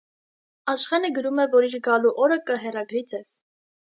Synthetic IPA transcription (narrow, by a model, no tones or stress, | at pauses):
ɑʃχɛnəɡəɾumɛvɔɾiɾɡɑluʔɔɾəkəɦɛrɑɡɾid͡zɛz̥